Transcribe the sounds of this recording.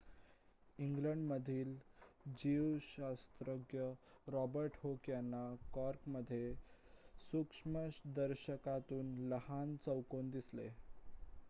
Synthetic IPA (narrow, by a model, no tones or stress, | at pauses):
iŋɡləɳɖməd̪ʱiːld͡ʑiwɕast̪ɾəɡjəɾɔbəɾʈhokjanːakɔɾkməd̪ʱːje | sukʂməɕd̪əɾɕəkat̪uːnləhant͡səwkond̪islḛ